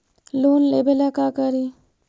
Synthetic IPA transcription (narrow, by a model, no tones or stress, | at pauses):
luːnlebelakakəɾi